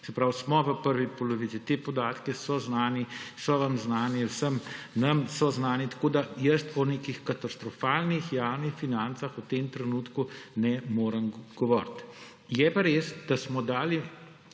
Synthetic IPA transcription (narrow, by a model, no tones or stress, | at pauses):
sɛpɾawsmɔʋəpəɾʋipɔlɔʋit̪sit̪eːpɔd̪aːt̪kɛsɔznaːnisɔʋamznaːniwsəmnɐmsɔznaːnit̪ḁkod̪ajəst̪ɔneːkixkat̪ast̪ɾɔfaːlnixjaːwnixfinant̪saxut̪eːmt̪ɾɛnuːt̪kunɛmoːɾəmɡ̥ɔʋɔːɾt̪ | jɛpaɾeːsd̪̥asmɔd̪aːli